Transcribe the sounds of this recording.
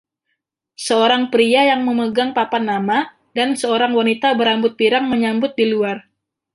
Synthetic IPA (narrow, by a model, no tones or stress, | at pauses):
səoɾaŋpɾiajaŋməməɡaŋpapanːama | dansəoɾaŋwanit̪abəɾambʊt̪̚piɾaŋməɲambʊt̪̚diluar